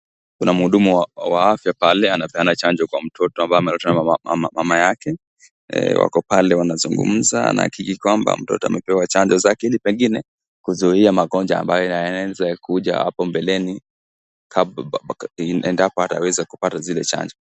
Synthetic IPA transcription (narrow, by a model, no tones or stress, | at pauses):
kunam̩huɗumuawaafjapalɛanapɛanat͡ʃand͡ʒɔkwam̩tʰɔtɔambaamɛlutanaamamajakɛ̰ | wa̰kɔpalɛwanazuŋɡṵm̩za̰na̰ha̰kikikwamba̰m̩tɔ̰tɔamɛpɛwat͡ʃaɲd͡ʒɔzakilipɛŋɡinɛ | kuzuiamaɡɔɲd͡ʒa̰ːmbajɔaɛzɛkʰuʄa̰ha̰pɔmbɛlɛni | kʰa | ʔɛndapɔata̰wɛzakupatazilɛt͡ʃa̰ɲd͡ʒɔ